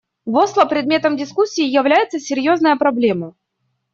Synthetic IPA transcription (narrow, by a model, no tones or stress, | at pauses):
voslˠəpɾʲɪd̪̚mʲet̪əmdʲɪskusʲːɪːjɪvlʲæjɪt̪səsʲɪɾʲjo̞znəjəpɾɐblʲe̞mə